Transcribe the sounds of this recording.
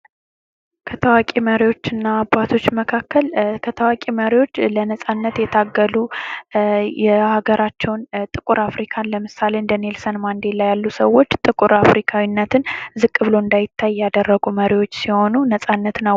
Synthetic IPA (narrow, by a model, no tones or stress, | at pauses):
kʰət̪ʰəwakʼiməɾiwo̞t͡ʃːɨnːaːbːat̪ʰo̞t͡ʃːməkʰakːəlkʰət̪ʰəwakʼiməɾiwo̞t͡ʃːlənəsʼanːət̪jɛt̪ʰaɡːəlu | jɛhaɡəɾʔat͡ʃːɛwnt̪ʼɨkʼuɾafɾikʰanləmɨsale̞ɨnd̪əne̞lsənmand̪e̞lajalːusəwːo̞t͡ʃːt̪ʼɨkʼuɾafɾikʰawinːət̪ʰɨnzɨkʼːɨβɨlo̞ɨnd̪ajɪt̪ʰːajjad̪ərːəɡuməɾiwo̞t͡ʃːsiho̞nunəsʼanːət̪nə